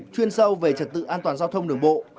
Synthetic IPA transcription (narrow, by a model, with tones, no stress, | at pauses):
t͡ɕwi˧ənsə˧wve˨˩t͡ɕə˨˩t̚t̪ɨ̰˧˨ʔaː˧nt̪waː˨˩nzaː˧wt̪ʰə˧wŋ͡mɗɨ˨˩əŋɓo̰˧˨